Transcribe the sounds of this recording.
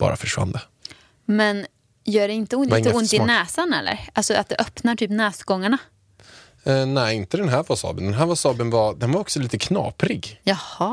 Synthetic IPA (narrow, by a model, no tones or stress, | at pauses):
b̥ɑ̰ːɾa̰fœʂva̰nd̪ə | mɛn | jœːɖɛɪnt̪əʊnɪŋːt̪ːəʊnt̪ɪnɛːsanɛlːə̰ɾalsɔat̪̚d̪ɛʔœpnaʈʰyːpnɛːsɡɔŋːaɳa | nɛɪnt̪əd̪ɛnɦæːɾvasɑ̰ːbənd̪ɛnɦæːɾvasɑːbənvɑd̪ɛnvaɾɔksɔliːt̪əkʰnɑ̰ːpɾɪɡjɑhɑ